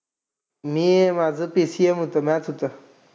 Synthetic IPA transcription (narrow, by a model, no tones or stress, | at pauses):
mĩemazɨpisiemut̪ɐmet̪ʰut̪ɐ